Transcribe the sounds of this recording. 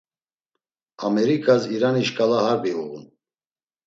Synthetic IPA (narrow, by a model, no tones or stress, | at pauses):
amɛɾikʼaziɾaniʃkʼalahaɾbiuɣṵn